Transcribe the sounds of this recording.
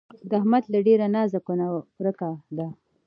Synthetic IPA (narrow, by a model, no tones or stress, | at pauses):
d̪əahmat̪laɖeɾanɑːzakonaɾəkad̪a